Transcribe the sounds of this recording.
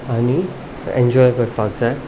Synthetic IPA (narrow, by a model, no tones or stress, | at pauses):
ani | ḛ̃ɲd͡ʑɔjkəɾt̪ak̚d͡za